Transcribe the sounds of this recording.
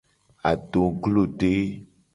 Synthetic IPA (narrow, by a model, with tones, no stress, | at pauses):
a̰˨ɖo˨ɡlo˦˨ɖe˦